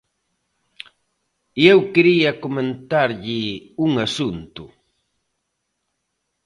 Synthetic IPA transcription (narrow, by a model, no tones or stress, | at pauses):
jewkeɾijakoment̪aɾʎɪʊŋasʊnt̪ʊ